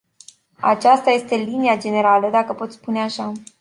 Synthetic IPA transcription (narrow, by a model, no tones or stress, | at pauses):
a̰t͡ʃast̪aje̞st̪e̞liniad͡ʒe̞ne̞ɾaləd̪akəpo̞t̪spuneaʃa